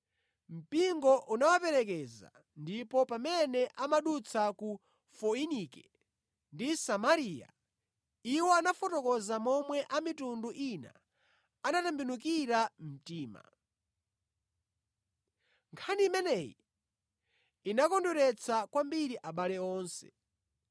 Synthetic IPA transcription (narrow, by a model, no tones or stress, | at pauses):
m̩piŋɡɔʔunawapɛɾɛkɛza̰ | ndipɔpamɛnɛʔamaɗut͡sʰaku | fɔinikɛ | ndisamaɾija̰ | iwɔanafɔtɔkɔzamɔmwɛʔamitunduʔina̰ | anatambinukiɾam̩tiːma̰ | ŋkʰanimɛnɛjḭ | inakɔnduɾɛt͡sʰakwambiɾiʔaɓalɛɔːnsɛ̥̰